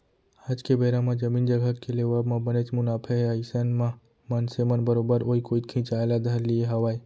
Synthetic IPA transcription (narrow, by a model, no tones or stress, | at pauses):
aːd͡ʒkebeːɾãmãd͡ʒɐmiːnd͡ʒɐɡʱəkːeleʋaːbmãbənet͡ʃmʊnaːpʰeɦaːisənmã | mɐnsemənbɐɾoːbəɾoːikoːikʰĩt͡ʃaːlad̪ʱɐɾlieɦɐwaːi